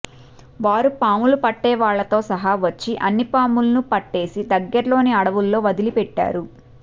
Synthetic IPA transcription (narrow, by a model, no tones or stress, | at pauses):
ʋaːɾupaːmulupɐʈːɛːʋaːɭːɐt̪o̞ːsɐɦɐʋɐt͡ʃːiʔɐnːipaːmulɐnupɐʈːe̞ːsid̪ɐɡːɐɾɐlo̞ːniɐɽɐʋulːo̞ːʋɐd̪ilipɛʈːa̰ːɾu